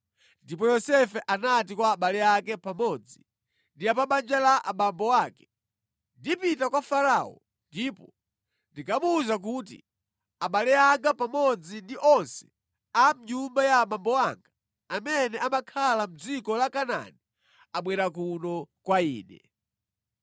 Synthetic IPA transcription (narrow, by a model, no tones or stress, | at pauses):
ndipɔjɔsɛfɛʔanatikwaːɓalɛakɛpamɔd͡zi | ndiapaɓand͡ʒalaʔaɓambɔwaːkɛ̥ | ndipitakwafaɾaɔ̰ | ndiːpɔ | ndikʰamuːzak̬utḭ | aɓalɛaŋɡapamɔd͡zindiʔɔnsɛ̥ | am̩ɲumbajaɓambɔwaŋɡaː | mɛnɛamakʰalam̩d͡zikɔlakana̰ni | aɓwɛɾakunɔkwaḭːnɛ̰